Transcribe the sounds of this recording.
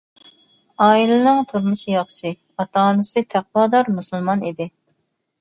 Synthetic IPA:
ɑːilɨnɨŋt̪ʰuɾmɨʃijɑχʃɨ | ɑt̪ʰɑːnɨsɨt̪ʰæq̚wɑːd̪ɑɾmusulˠmɑnid̪ɪ

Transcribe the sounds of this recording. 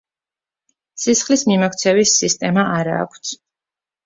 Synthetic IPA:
sisχlismimɔkʰt̪sʰɛvisist̪ʼɛmaʔaɾa̰ːkʷʰt̪sʰ

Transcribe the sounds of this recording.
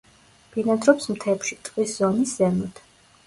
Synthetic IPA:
b̥inɛd̪ɾɔpsmt̪ʰɛpʃit̪ʼqʼwiszɔniszɛmɔt̪ʰ

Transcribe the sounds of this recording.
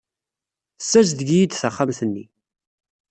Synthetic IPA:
sːæzðɡijid̪θaχːamθənːi

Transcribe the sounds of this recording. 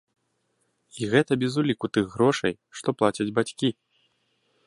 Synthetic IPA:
iɣɛt̪ɐbʲɛzulʲikut̪ɨɣːɾɔʂɐ̰j | ʂt̪ɔplˠat͡sʲɐd͡zʲbat͡sʲkʲi

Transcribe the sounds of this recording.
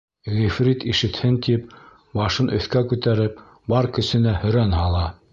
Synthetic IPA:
ʁifɾit̪iʃɘ̆t̪hɘnt̪ip | bɑʃɤnʔɵ̰̆θkækʉt̪æɾɘp | bɑɾkɵ̆sɘ̆næhɵ̆ɾænhɑlˠɑ

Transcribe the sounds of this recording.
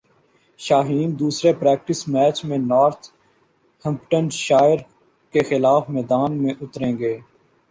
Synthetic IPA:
ʃaːɦiːnd̪uːsɾepɾɛːk̚ʈɪsmɛːt͡ʃmẽnaːɾt̪ʰ | hɪ̃mpʈə̃nɖʃaːjɪɾ | kexɪlaːfmɛːd̪aːnmẽʔʊt̪ɾẽːɡeː

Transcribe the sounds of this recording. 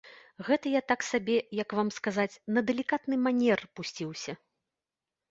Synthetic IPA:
ɣɛt̪ɐjat̪aksabʲɛjɐkvamskazat͡sʲnɐd̪ɛlʲikat̪nɨmanʲɛrpusʲt͡sʲiwsʲɐ

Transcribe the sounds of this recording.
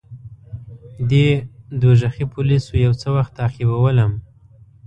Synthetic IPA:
d̪ed̪oʒaxipʰʊlisojawt͡səwaxt̪ɑqibawələm

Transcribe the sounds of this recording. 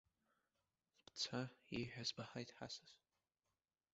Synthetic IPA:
b̥t͡sʰaejħᶣazbaħajtʼħa̰saz

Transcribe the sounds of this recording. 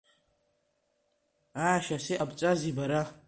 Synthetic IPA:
aːʃaseʔabt͡sʼazibaɾa

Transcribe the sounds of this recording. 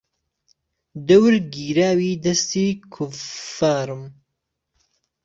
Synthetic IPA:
d̪ɐwɾɡiːɾaːwiːd̪ɐst̪iːkʰʊfaːɾɨm

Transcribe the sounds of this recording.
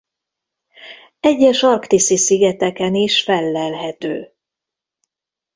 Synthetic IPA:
ɛɟːɛʃɒrkt̪isisiɡɛt̪ɛkɛniʃfɛlːɛlɦɛt̪øː

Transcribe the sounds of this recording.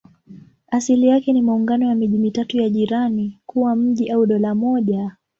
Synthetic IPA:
asilijakɛnimauŋɡanɔjamiʄimitatujaʄiɾanikuwam̩ʄiʔauɗɔlamɔʄa

